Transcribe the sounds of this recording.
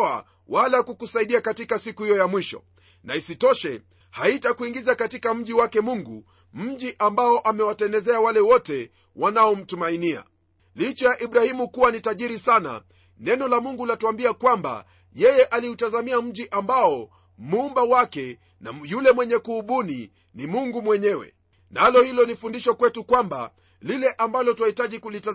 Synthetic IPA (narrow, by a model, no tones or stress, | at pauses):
a | walakukusaiɗiakatikasikuhijɔjamwiʃɔ̰ | naisitɔʃɛ | haitakuiŋɡizakatikam̩ʄiwakɛmuŋɡu | m̩ʄiʔambaɔʔamɛwatɛndɛzɛawalɛwɔtɛ | wʔanaɔm̩tumainia̰ | lit͡ʃɛjaʔiɓɾahimukuwanitaʄiɾisana̰ | nɛnɔlamuŋɡulatuambiakwamba̰ | jɛjɛʔaliutazamiam̩ʄiʔambaɔ | mumbawakɛ | na̰julɛmwɛɲɛkuːɓuni | nimuŋɡumwɛɲɛwɛ̰ | nalɔhilɔnifundiʃɔkwɛtukwamba̰ | lilɛʔambalɔtwahitaʄikulita